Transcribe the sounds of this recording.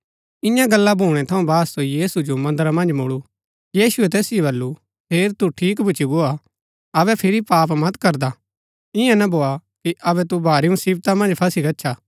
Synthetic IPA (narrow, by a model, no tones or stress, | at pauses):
ɪ̃jãɡɐlːabʱuːɽ̃ɛt̪ʰɐũbaːsːoijiːsud͡ʒomɐ̃nd̪ɾamɐ̃nd͡ʒmʊɽu | jiːsʊɛt̪ɛːsɪjoβɐlːu | pʰeːɾt̪uʈʰiːkbʱʊːt͡ʃiɡoa | ɐβɛpʰɪɾipaːpmɐt̪kɐɾd̪a | ɪjãnɐbʱoːakiʔɐβɛt̪ubʱaːɾiũnsiːbt̪ãmɐ̃nd͡ʒpʰɐsikɐtːʃʰaː